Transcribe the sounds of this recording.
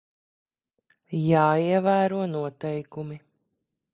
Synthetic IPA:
jaːiɛvæːɾuɔnuɔt̪ɛjkumi

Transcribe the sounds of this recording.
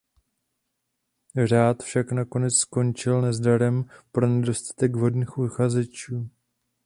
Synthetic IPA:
r̝aːt̪fʃaknako̞nɛt͡ssko̞nt͡ʃɪlnɛzdaɾɛmpɾo̞nɛdo̞st̪ḁt̪ɛɡvɦo̞dniːxʔuxazɛt͡ʃuː

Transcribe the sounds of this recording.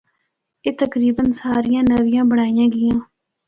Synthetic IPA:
eːt̪əkɾiːbənsaːɾijãːnəʋɪjãːbəɽ̃aːijãːɡɪjãː

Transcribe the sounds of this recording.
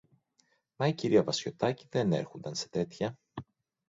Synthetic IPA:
mɐiciɾiɐvɐsço̞t̪ɐciðe̞ne̞̰ɾxond̪ɐnse̞̥t̪e̞t̪çɐ

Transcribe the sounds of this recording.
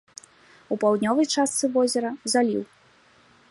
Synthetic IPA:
upawd̪ʲnʲɔvɐjt͡ʂast̪sɨvɔzʲɛɾɐzalʲḭw

